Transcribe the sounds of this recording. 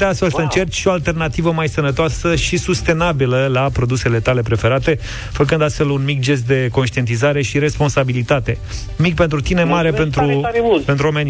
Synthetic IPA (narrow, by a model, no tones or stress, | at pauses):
t̪east̪fe̞lsəɨnt͡ʃe̞rt͡ʃ̪ʃio̞alt̪e̞rnat̪ivəmajsənət̪oasəʃisust̪e̞nabiləlapɾo̞d̪use̞le̞t̪ale̞pɾe̞fe̞ɾat̪e̞ | fək̬ɨnd̪ast̪fe̞lunmik̚d͡ʒe̞s̬t̪̚d̪e̞ko̞nʃt̪ie̞nt̪izaɾe̞ʃiɾe̞spo̞nsabilit̪at̪e̞ | mik̚pe̞nt̪ɾut̪inemaɾe̞pe̞nt̪ɾupent̪ɾuomeni